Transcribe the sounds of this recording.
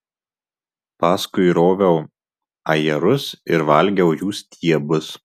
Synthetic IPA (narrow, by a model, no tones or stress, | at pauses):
pɑːskʊɪɾoːʋʲɛʊ | ɐjɛɾʊsɪɾʋɐlʲˑɡʲɛʊjuːsʲt̪ʲʰiɛbʊs